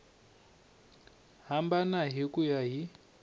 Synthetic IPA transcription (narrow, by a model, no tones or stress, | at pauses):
ɦambanaɦikujaɦi